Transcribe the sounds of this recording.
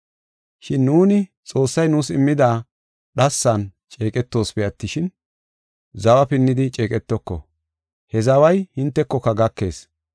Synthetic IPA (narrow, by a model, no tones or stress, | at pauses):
ʃɪnːuːnɪ | t͡sʼo̞ːsːɐjnuːsɪmːɪd̪aː | ɗɐsːɐnt͡ʃʼe̞ːkʼɛt̪ːo̞ːspɛɐt̪ːɪʃɪn | zɐwɐpɪnːɪd̪ɪt͡ʃʼe̞ːkʼɛt̪ːɔkːɔ̰ | hɛzɐwɐjhɪnt̪ːɛkːɔkːɐɡɐkːe̞̰ːs